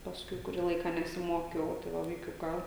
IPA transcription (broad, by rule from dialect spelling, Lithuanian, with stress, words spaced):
pɐsˈkʊɪ kʊˈrʲiː ˈlˠɐɪkɑː nʲɛsʲɪˈmoːkʲɛʊ tɐɪ ˈʋɐ ʋɐɪˈkʲʊkɑː